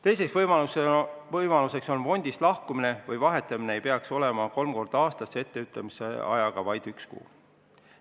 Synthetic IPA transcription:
t̪e̞js̬e̞ksvɤjmɑusvɤjmɑluse̞kso̞nfo̞nʲd̪̥islɑhkumine̞vɯjvɑɦe̞t̪ːˑɑmine̞ejpeɑkso̞le̞mɑko̞lmko̞rd̪̥ɑːst̪ɑsːee̞t̪ːe̞yt̪ːˑɑmisḛɑ̰jɑɡ̥ɑvɑjd̪̥ykskṵː

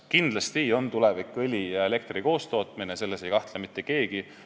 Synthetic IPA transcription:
kind̪lɑst̪io̞nt̪ulevikːˑɯlʲijɑe̞le̞k̚t̪riko̞ːst̪o̞ːt̪minese̞lːese̞jkɑht̪lemit̪ˑːe̞ke̞ːɡ̥i

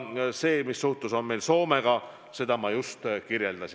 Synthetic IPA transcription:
se̞ːmisːuht̪uso̞nme̞jlso̞ːmeɡ̥ɑ | se̞d̪ɑmɑjust̪kirje̞ld̪̥ɑsi

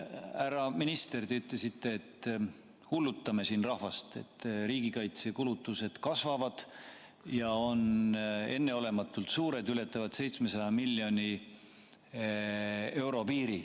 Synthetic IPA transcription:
æɾɑminist̪e̞rd̪eyt̪ːˑlesit̪ːe̞ːt̪ː | hulːut̪ːˑɑme̞siːnrɑhvɑst̪e̞̰t̪ːriːɡikɑjt̪se̞kulut̪ˑːuse̞d̪̥kɑsvɑvɑd̪̥ | jɑo̞ne̞nːe̞o̞le̞mɑt̪ːˑult̪suːɾe̞d̪yle̞t̪ːˑɑvɑd̪̥se̞jt̪sme̞sɑjɑmilːjo̞nʲi | e̞wɾo̞piːɾi

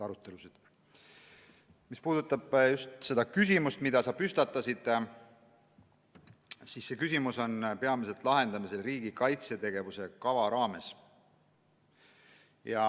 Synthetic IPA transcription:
ɑɾut̪ːˑe̞lusid̪̥ | mispuːd̪̥ut̪ːˑɑb̥just̪se̞d̪̥ɑkysimust̪mid̪̥ɑsɑpyst̪ɑt̪ːˑɑsid̪̥ | sisːe̞kysʲimuso̞npe̞ɑmis̬e̞lt̪ˑlɑɦe̞nd̪ɑmiselriːɡ̥ikɑjt̪se̞t̪e̞ɡ̥e̞vuse̞kɑvɑɾɑːme̞s | jɑ

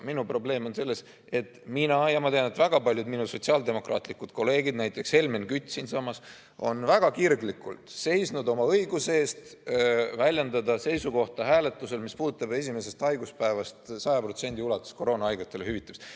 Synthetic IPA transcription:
minupro̞ble̞ːmo̞nse̞lːe̞s | e̞t̪minɑjɑmɑt̪e̞jɑnet̪væɡ̥ɑpɑlʲjud̪minuso̞t̪siɑːld̪e̞mo̞krʔɑ̰ːt̪ˑlikud̪̥ko̞lːe̞ːɡid̪̥̚næjt̪ːˑe̞kshe̞lmenkyt̪ʲːˑsinsɑmːɑs | o̞̰nvæɡ̥ɑkirɡlikult̪se̞jsnud̪o̞mɑɤjɡuse̞ːst̪ | vælʲjend̪ɑd̪ɑse̞jsuko̞ht̪ɑɦæːle̞t̪ːˑuse̞lmispuːd̪ut̪ˑːɑbe̞s̬ʲimese̞st̪ɑjɡ̥uspæevɑst̪sɑjɑpro̞t̪se̞nʲd̪iulɑt̪ːˑu̥sko̞ɾo̞ːnɑɑjɡ̥ɑt̪ːˑe̞lehyvit̪ːˑemst̪

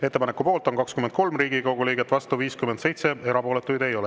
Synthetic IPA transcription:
e̞t̪ːe̞pɑne̞kːupo̞ːlt̪o̞ŋkɑkskymend̪̚ko̞lmriːɡikoɡuliːɡet̪ːˑvɑst̪uviːskymend̪se̞jt̪se̞e̞ɾɑpo̞ːlet̪ːˑujd̪ejo̞le

